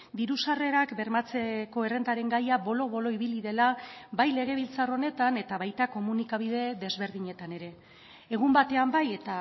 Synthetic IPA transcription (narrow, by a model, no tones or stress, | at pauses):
d̪iɾusare̞ɾakbe̞ɾmat͡seko̞e̞re̞nd̪aɾe̞ŋɡajaβo̞lo̞βo̞lo̞iβiliðe̞labajle̞ɣ̞e̞β̞ilt͡saro̞ne̞t̪ane̞t̪aβajt̪ako̞munikaβ̞ið̞e̞ðe̞zβe̞ɾðiɲe̞t̪ane̞ɾe̞ː | ɣ̞umbat̪e̞ambaje̞t̪a